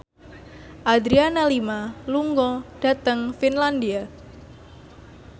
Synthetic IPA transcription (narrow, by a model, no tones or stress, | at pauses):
ʔad̪ɾianalimaluŋɡɔd̥a̤t̪əŋfinland̪ia